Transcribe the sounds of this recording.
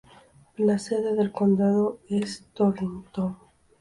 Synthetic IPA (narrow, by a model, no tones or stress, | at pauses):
lase̞ðe̞ðe̞lko̞nd̪aðoe̞st̪oɾint̪o